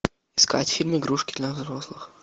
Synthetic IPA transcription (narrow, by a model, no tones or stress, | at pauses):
ɪ̥ska̰tʲfʲilʲmɨɡɾuʂkʲɪd̪lʲɐvzɾoslˠɨx